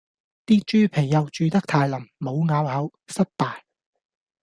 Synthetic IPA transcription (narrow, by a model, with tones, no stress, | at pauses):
t̪iː˥t͡ʃyː˥pʰe˨˩jːɐ˨˧wt͡ʃyː˧t̪ɐ˥k̚t̪ʰaː˧jlɐ˨˩mmo˨˧wŋaː˨˧whɐ˨˥wsɐ˥t̚paː˨j